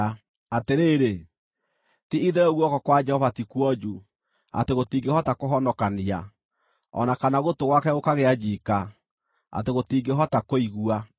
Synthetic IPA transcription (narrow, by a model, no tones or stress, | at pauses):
ateɾeːɾe | tiiðeɾɛoɣwɔkɔkwad͡ʒɛhɔvatikwɔd͡ʒu | a̰teɣotiːŋɡehɔtakoɦɔnɔkania | ɔ̰nakanaɣotoɣwakɛokaɣead͡ʒika | a̰teɣotiɡeɦɔtakoiɣua